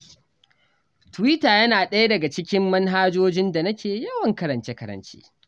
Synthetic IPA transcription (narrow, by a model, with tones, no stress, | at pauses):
twi˦taː˨jɐ˦naː˨ɗɐ˦ja˦dɐ˨ɡa˨t͡ʃɪ˦kʲɪ˦mːɐ˦nɦaː˦d͡ʒoː˦d͡ʒɪ˦nda˨nɐ˦kʲeː˨jɐ˦wɐ˨ŋkɐ˦ɾɐ˨nt͡ʃe˦kɐ˦ɾɐ̰˦˨nt͡ʃe̥̰ː˦